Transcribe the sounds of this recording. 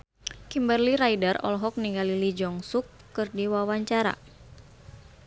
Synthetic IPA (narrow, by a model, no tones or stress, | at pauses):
kimbərliɾaidərɔ̰lɦɔk̚niŋɡalilid͡ʒɔŋsukːɨrdiwawaɲt͡ʃaɾa̰